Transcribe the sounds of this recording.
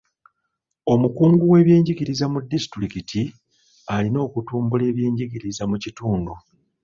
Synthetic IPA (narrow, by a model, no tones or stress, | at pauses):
o̞mukuːŋɡuwe̞ːβje̞ːɲɟiɡiɾizamudːisi̥tɾikitʰi | alino̞ːkutuːmbule̞ːβje̞ːɲɟiɟiɾizamucituːndu